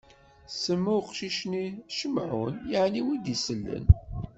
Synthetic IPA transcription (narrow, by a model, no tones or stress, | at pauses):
səmːuqʃiʃniʃəmʕʊ̰njəʕniwid̪isəlːə̰n